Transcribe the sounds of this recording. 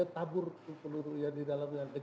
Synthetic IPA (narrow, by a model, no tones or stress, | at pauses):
at̪abʊrkuŋpəluɾujadidalamjaŋdə